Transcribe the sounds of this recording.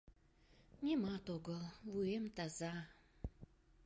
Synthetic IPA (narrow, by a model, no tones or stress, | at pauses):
ɲimat̪oɡollujemt̪aza